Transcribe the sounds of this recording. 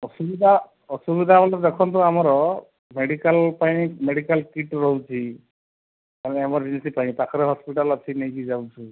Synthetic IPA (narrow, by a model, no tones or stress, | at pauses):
ɔsubid̪ʱa | ɔsubid̪ʱabalɔzɛkʰɔnt̬ʊamaɹɔ | meɖikalpaj̃ikmeɽikalkiʈɹɔɦwt͡ʃʰi | manɛamɔɹzinsipaj̃t̪akʰɔɾɛɦɔspiʈalasʰinajkizabsʰi